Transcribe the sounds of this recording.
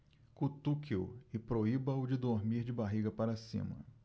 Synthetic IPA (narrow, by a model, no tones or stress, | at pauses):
kut̪ukiʊɪpɾoibɐwd͡ʒɪd̪oɾmiɾd͡ʒɪbaɦiɡɐpaɾɐsḭ̃mɐ̰